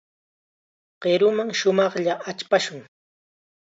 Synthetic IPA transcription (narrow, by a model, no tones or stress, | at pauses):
ɢ̥eɾʊmaŋʃʊmɑχʎaat͡ʃpaʃʊŋ